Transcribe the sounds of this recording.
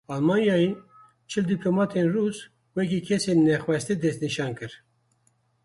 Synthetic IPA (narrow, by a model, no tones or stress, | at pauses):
ɑlmɑːnjɑːi | t͡ʃʰɨld̪iplomɑːt̪ʰenruːz | wɛkikʰɛseːnːɛxwɛst̪iːd̪ɛst̪niʃɑːnkɨɾ